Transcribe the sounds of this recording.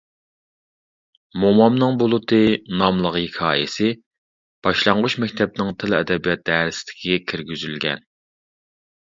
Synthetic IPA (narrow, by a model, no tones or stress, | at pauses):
momɑmnɨŋbolˠʊt̪ʰɨnɑmlˠəʁhikʲʰɑːjɪsɪ | b̥ɑʃlˠɑɴʁut͡ʃmɛkʲt̪ʰɛp̚nɪŋt̪ʰɪlɛd̪ɛbijɑt̪̚d̪ɛːɾɪsɪ̥d̪ɪ̥kʰʲiɡʲɛkʲʰɪɾɡʲyzylɡʲɛ̰n